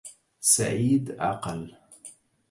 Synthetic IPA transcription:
sa̰ʕiːd̪ʔɑ̰qɑl

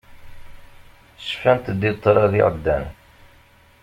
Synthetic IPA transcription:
sfænt̪d̪ːit̪ˤːɾˤɑðɪ̰ʁəd̪ːæ̰n

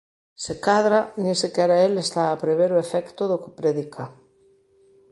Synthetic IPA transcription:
sekaðɾanẽsekɛɾaelest̪aːpɾeβeɾoefɛkt̪oðoke̥pɾeðikʰa

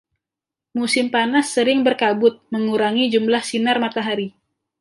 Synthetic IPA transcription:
musɪmpanasːəɾɪŋbərkabʊt̪̚məŋuɾaŋid͡ʒumlahsinarmat̪aɦaɾi

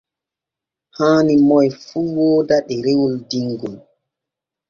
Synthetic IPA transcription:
haːnimɔjfuːwɔːdaɗɛɾewuldiŋɡɔl

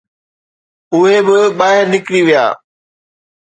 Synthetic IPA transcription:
ʊɦebɪɓaːɦɪɾnɪkɽiʋija̰ː

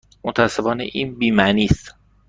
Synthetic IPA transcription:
mot̪ʰæsːe̞fɒːnḛʔiːnbiːmæniːst̪

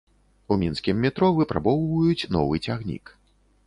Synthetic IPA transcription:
umʲinskʲimːʲɛt̪ɾɔvɨpɾa̰bɔwvɐjut͡sʲnɔ̰vɨt͡sʲaɣnʲḭk

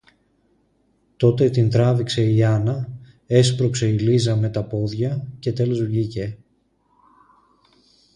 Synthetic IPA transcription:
t̪o̞t̪e̞t̪ind̪ɾɐvikse̞iɐnɐ | e̞spɾokse̞ilizɐme̞t̪ɐpo̞ðʝɐce̞t̪e̞lozoʝice̞

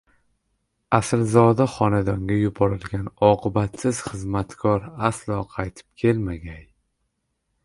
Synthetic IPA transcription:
aslzɒd̪aχɒnad̪ɒŋɡʲajʊbɒɾɪlɡʲanɒqʰɨbat̪sɪz̥χɨzmat̪kʰɒɾaslˠɒqʰɑjt̪ʰɪ̥p̚kʲʰe̞lmaɡʲaj

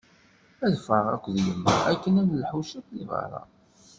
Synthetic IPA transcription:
æðfəʁækʷðjəmːæ̰ækːənænlħuʃæt̪ːivɑ̰ɾˤɑ̰

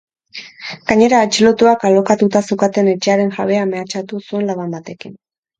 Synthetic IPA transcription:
ɡ̥aɲe̞ɾaːt͡ʃilo̞t̪uakalokat̪ut̪asukat̪e̞ne̞t͡ʃe̞aɾe̞ŋʝaβ̞e̞ame̞at͡ʃat̪usue̞nlaβambat̪e̞kin

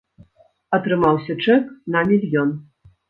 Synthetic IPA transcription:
ɐt̪ɾɨmawsʲɐt͡ʂɛknɐmʲilʲjɔn

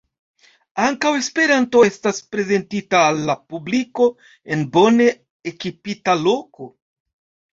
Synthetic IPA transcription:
aŋkawe̞spe̞ɾanto̞e̞staspɾe̞ze̞ntitaːlːapubliko̞ | e̞nbo̞ne̞ | ekipitalo̞ko̞

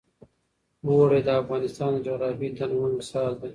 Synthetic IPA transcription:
woɾed̪əafɣɑːnɪst̪ɑːnd̪əd͡ʒoɣɾɑːfid̪anwaŋɡsɑːzd̪a

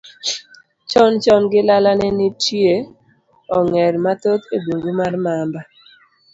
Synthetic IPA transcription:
t͡ʃɔnt͡ʃɔnɡɪlalanɛnɪtje | ɔŋɛɾmat̪ot̪ebuŋɡumarmamba

